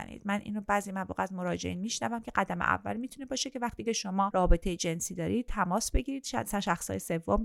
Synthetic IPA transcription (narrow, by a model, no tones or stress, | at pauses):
æ̰nḭːd̪mænʔḭnɾobæːzimævlɔ̰ːɣæzmo̞ɾɒːd͡ʒe̞ʔiːnmiːʃnævæmcʰe̞ɢæd̪æmḛʔæ̰vːæ̰lmit̪ʰune̞bɒːʃe̞cʰe̞væxt̪iːcʰe̞ʃo̞mɒːɾɒːbe̞t̪ʰejed͡ʒe̞nsiːd̪ɒːɾiːd̪̚t̪ʰæmɒːsbe̞ɟiːɾiːd̪̥ʃæsæʃæxsɒ̰ːjese̞vːom